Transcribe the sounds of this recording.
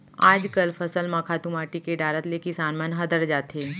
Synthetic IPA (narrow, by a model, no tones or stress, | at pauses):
aːd͡ʒkəlfʰɐsəlmɐkʰaːt̪umaːʈikeɖaːɾət̪lekɪsaːnmənɦɐd̪əɾd͡ʒaːt̪eː